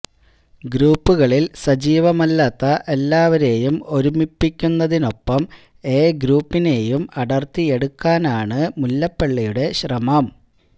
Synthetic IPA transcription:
ɡɾuːpːuɣɐɭilsɐd͡ʑiːʋɐmɐlːaːt̪ːɐʔe̞lːaːʋɐɾe̞ːjumo̞ɾumipːikʲːunːɐðino̞pːɐm | e̞ːɡɾuːpːine̞ːjumɐɽɐrt̪ːie̞ɽukːaːnaːɳɨmulːɐpːeɭːijuɽe̞ɕrɐmɐm

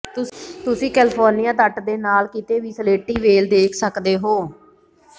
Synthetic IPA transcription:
t̪ʊsĩːkɛːlɪpʰoːɾnijãːt̪əʈd̪eːnaːlkit̪eːʋiːsəleːʈːiːʋeːld̪eːkʰsəkd̪eːɦoː

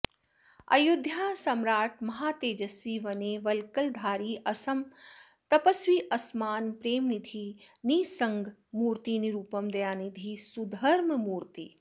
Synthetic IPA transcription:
ɐ̰jʊd̪ʱjaːsɐmɾaːʈ̚ʰmɐɦaːt̪eːd͡ʒɐsʋiːʋɐneːʋɐlkɐld̪ʱaːɾiːʔɐsɐm | t̪ɐpɐsʋiːʔɐsmaːnpɾeːmnid̪ʱiniːsɐ̃ŋɡʱmuːɾt̪iːniɾuːpɐmd̪ɐjaːnid̪ʱiːsud̪ʱɐɾmmuːɾt̪ḭː

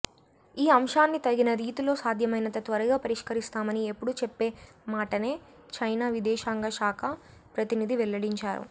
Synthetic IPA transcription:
iːɐmʂaːnːit̪ɐɡinɐɾiːt̪ulo̞ːsaːd̪ʱjɐmɐjnɐt̪ɐt̪ʋɐɾɐɡaːpɐɾiʂkɐɾist̪aːmɐniepːuɽut͡ʃepːe̞ːmaːʈɐne̞ː | t͡ʃɐjnaːʋid̪ɛːʃaːŋɡɐʃaːkʰɐ | pɾɐt̪inid̪iʋɛlːɐɽiɲt͡ʃaːɾṵ

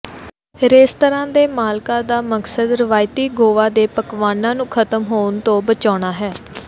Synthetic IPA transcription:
ɾeːst̪əɾãːd̪eːmaːlkãːd̪aːməksəd̪ɾɪʋaːjt̪iːɡoːʋaːd̪eːpəkʋaːnãːnũːkʰət̪əmɦoːnt̪õːbət͡ʃaːɽ̃aːɦɛː

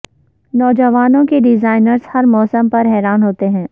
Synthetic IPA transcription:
nɔːd͡ʒəʋaːnõkeɖɪzaːɪnəɾz̥hɐɾmɔːsəmpɐɾɦɛːɾaːnɦoːt̪eɦɛ̃ː

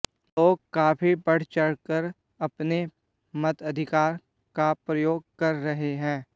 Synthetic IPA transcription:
loːɡ̚kaːfʰibɐɽ̤t͡ʃɐɽkəɾ | ɐpne | mɐt̪ɐd̪ʱɪkaːɾ | kapɾɐjoːɡ̚kɐɾːɐɦeɦɛ̃ː

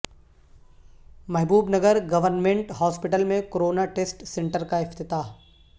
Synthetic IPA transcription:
mɛɦbuːbnɐɡəɾɡɐʋəɾnmẽɳʈɦɔːspɪʈəlmẽkoɾoːnaʈeːsʈsẽɳʈəɾkaɪft̪ɪt̪aːɦ

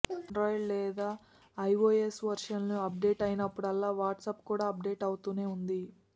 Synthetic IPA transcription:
ɾɔːjllɛːd̪aː | ɐjʋoːesʋɐɾʂɐnluɐp̚ɖe̞ːʈɐjinɐpːuɽɐlːaːʋaːʈsɐpkuːɽaːɐp̚ɖe̞ːʈɐwut̪uːne̞ːund̪i

